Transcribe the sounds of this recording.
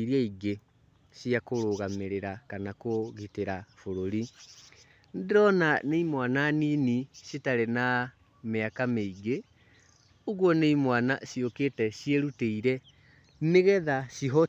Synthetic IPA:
iɾiaiɡe | ɕiakoɾoɣameɾeɾakanakoɣiteɾafoɾoɾi | ndɾɔnaneimwananiːniɕetaɾena | meakameiɡe | oɣwɔneimwanaɕiokeːtɛɕieɾuteiɾɛ | meɣɛðaɕiɦɔ

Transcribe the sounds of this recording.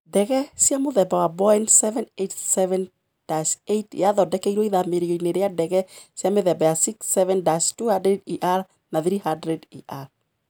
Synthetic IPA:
dɛɣɛsiamoðɛbawabɔjnsɛvɛ̃netsɛvɛ̃n | d̥asejtj̰aðɔdɛkeiɾwɔiðameɾioineɾeadɛɣɛsiameðɛbajasiksːɛvɛndastuhandɾɛdiʔaɾ | naθɾihandɾɛdiʔaɾ

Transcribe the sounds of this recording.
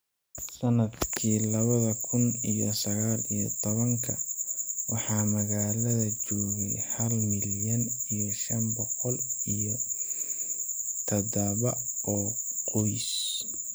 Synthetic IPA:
sɐnɐd̪kʰiːlɐβɐðɐkʰʊnijɔsɐɣaːlijt̪ʰɔβɐŋkʰɐwɑħɑːmɐɣaːlɐðɐt͡ʃɔːɣɛjhɐlmɪljɐnijɔʃɐnbɔqɔlijɔ | t̪ʰɐdɐβɐɔːqɔjs

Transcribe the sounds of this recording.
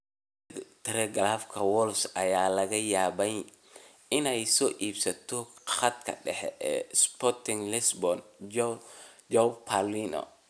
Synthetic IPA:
t̪ʰɛɾɛɡlafkʰɐwɔlsɐjaːlɐɣɐjaːβɛj | ɪnɛjsɔːʔiːbsɐt̪ʰɔχɐd̪kʰɐ̰ɖɛħɛ̰ʔɛ̰ːspɔrt̪ɪŋlɪsbɔn | d͡ʒɔpʰaliːnɔ̰

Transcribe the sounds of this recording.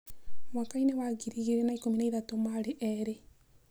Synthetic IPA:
mwakaineβaɡiɾiɣiɾenaikominaiðatomaɾeʔeɾe

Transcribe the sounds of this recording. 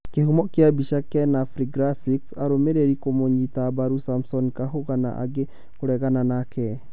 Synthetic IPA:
kehumɔkeabiʃakɛnafɾiɡɾafiksaɾomeɾeɾikomoɲitabaɾusamsɔnkaɦoɣana̰ʔa̰ɡe | koɾɛɣananakʰɛ

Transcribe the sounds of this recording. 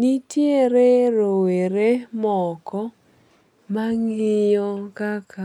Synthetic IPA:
nitjeɾeɾoweɾemɔkɔ | maŋɪjɔkakʰa

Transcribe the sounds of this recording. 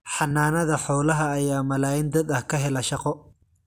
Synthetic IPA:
ħɑnːaːnɐðɐħɔːlɐɦɐːjaːmɐlaːjɪnd̪ɐd̪ɐhkʰɐɦɛlɐʃɑqɔ

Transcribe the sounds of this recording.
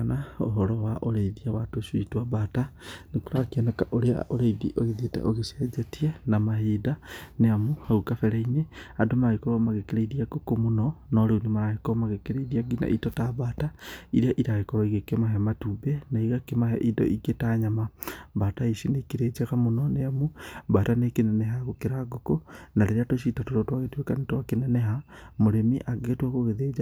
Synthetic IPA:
nao̰ɦɔɾɔwaʔoɾeiðiawatoʃuitwabatanekoɾakiɔnakaʔoɾea̰oɾeiðḭʔoɣiðietɛ̰ʔoɣesiɛd͡ʒetianamahidaneamohaukafɛɾɛineadomaaɣekoɾomaɣekeɾeiɾiaɡokomonɔnɔɾeunemaɾahekoomaɣekeɾeiðiaɡina̰ʔitɔtaβaːtaiɾeaʔiɾaɣekɔɾaiɣekemaɦɛmatubɛnaiɣakemahɛ̰ʔidɔ̰ʔiɡetaɲamabataisinekeɾed͡ʒaɣamonɔneamubatanekenɛnɛɦaɣokeɾaɡokonaɾeɾeatoʃ̬itatoɾotwaɣetuwekanetwakenɛnɛɦamoɾemiʔaɡetwaɣoɣeðed͡ʒa

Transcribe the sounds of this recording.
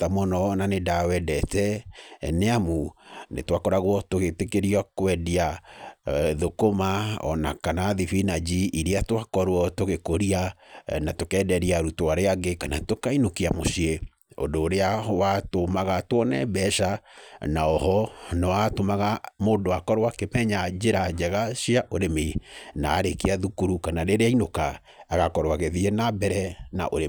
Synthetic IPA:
tamɔnɔnanedawɛdɛtɛneamunḛtwakɔɾaɣwɔtoɣetekeɾiakwɛdia | ðokomaɔ̰nakanaðifinad͡ʒiiɾeatwakɔɾwɔtoɣekoɾianatokɛdɛɾiaɾutoaɾeaɡekanatokainokiamoʃie | o̰ndoːɾeawatomaɣatwɔnɛ̰bɛʃanaɔhɔnɔatomaɣamondoakɔɾwakemɛɲad͡ʒeɾad͡ʒɛɣaʃiaʔoɾemena̰ːɾekeaðukuɾukanaɾeɾeainokaː | ɣakɔɾwaɣeðienabɛɾɛna̰ʔo̰ɾe

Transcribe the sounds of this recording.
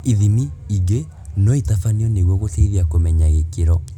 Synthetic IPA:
iðimiiɡe | nɔitafaniɔneɣwɔɣoteiðiakomɛɲaɣekeɾɔ

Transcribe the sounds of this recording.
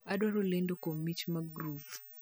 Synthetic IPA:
aɗwaɾolendokomit͡ʃmaɡɾuv

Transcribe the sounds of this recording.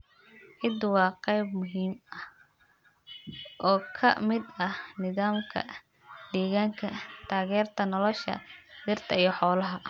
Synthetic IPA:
ʕɪd̪wɑːqɛjbmʊɦiːmɐh | ʔɔːkʰɐ̰mɪd̪ɐhnɪðaːmkʰɐ̰ | d̪ɛːɣaːŋkʰɐt̪ʰaːɣɛːrt̪ʰɐnɔlɔʃɐ̰d̪ɪrt̪ʰɐijɞħɔːlɐɦɐ

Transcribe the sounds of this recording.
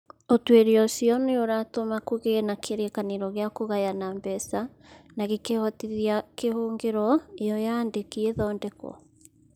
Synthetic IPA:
otweɾeɔsiɔneoɾatomakoɣenakʰeɾekaniɾɔɣeakoɣajanambɛsa | naɣekehɔtiðiakehoːŋɡeɾɔejɔjaːndekieðɔːndɛkɔ̰

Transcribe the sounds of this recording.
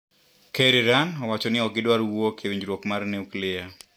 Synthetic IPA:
keɾiɾanɔwat͡ʃɔnɪɔɡɪdwaɾwokʰewiɲd͡ʒɾwokmarniuklɪa

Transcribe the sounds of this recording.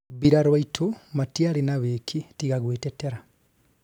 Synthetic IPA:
βiɾaɾwaitʰumatjalinaβeːkʰitiɣaɣweːteteɾa

